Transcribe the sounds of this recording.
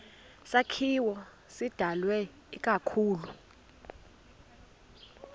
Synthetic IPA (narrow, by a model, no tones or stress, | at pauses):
sakʰiwɔ | sid̥ʱalwɛ | ikʼakʰuːlu